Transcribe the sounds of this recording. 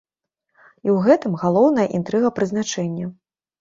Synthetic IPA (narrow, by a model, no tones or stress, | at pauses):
iwɣɛt̪ɨmɣalˠɔwnɐjɐʔint̪ɾɨɣɐpɾɨznat͡ʂɛnʲːɐ